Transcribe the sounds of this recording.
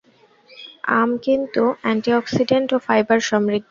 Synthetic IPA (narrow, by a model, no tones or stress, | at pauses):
a̰mkint̪uɛɳʈiɔksiɖeɳʈofajbaɾʃɔmɾid̪ʱː